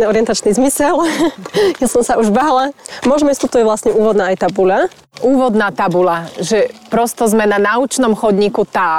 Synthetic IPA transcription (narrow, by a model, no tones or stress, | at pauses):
niɔɾɪɛnt̪at͡ʃnizmisɛl | jasɔmsaʔuʒbaːlamʊɔʒɛmɛst̪ɔt̪ɔjɛʋlasɲɛuːʋɔd̪naːajt̪abula | uːʋɔd̪naːt̪abulaʒɛpɾɔst̪ɔzmɛnanaut͡ʃnɔmxɔd̪ɲikut̪aː